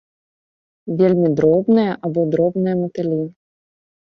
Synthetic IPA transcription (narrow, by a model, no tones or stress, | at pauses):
vʲelʲmʲid̪ɾɔbnɨjɐʔabɔd̪ɾɔbnɨjɛmɨt̪ɛlʲi